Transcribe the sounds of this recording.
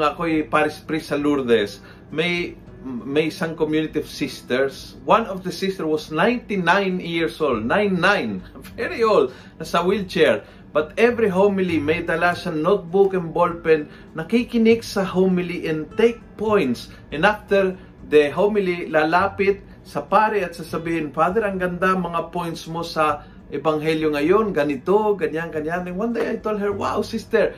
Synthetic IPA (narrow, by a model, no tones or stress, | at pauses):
ŋɐkoipaɾɪspɾisɐluɾd̪ɛs | mej | mejsãŋkomjunɪt̪iov̥sist̪ɛɹs | wãnofd̪ɐsist̪ɛɹwasnãjnt̪inãjnjiɹsold̪̚nãjnːãjn | vɛɹiol | nɐsɐwilt͡ʃɛɹ | b̥ɐt̪ɛvɾiɦomɪlimejd̪ɐlaʃanot̪̚bukɛ̃nbolpɛnː | ɐkikɪnɪksɐhomɪliʔɛ̃nt̪ejk̚pojnt̪s | ʔɛnaft̪ɛɹ | d̪ɛɦomɪlilaːlaːpɪt̪̚ | sɐpaɾɛɐt̪sɐsɐbiːhɪnfad̪ɛɾɐŋɡɐnd̪amɐŋapojnt̪smo̞sɐ | ʔɛbɐŋɦɛljoŋɐjo̞nɡɐnɪt̪oɡɐɲaŋɡɐɲjanɪŋwand̪ejɐjt̪old̪ɦɛɹwawsist̪ɛɹ